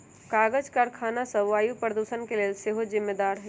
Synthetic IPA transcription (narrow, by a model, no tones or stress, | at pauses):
kaːɡəd͡ʒkaɾkʰaːnasɐʋaːjupɾəd̪uːʃənkeleːlseːɦozɪmːed̪aːɾɦɛ